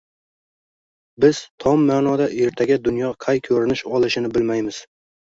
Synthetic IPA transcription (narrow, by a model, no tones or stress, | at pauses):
bɪz̥t̪ʰɒmːaːnɒd̪aʔe̞ɾt̪ʰaɡʲad̪ʊnjɒqʰajkʲʰɵɾɪnɪʃɒlˠɪʃɪnɪbɪlmajmɪz̥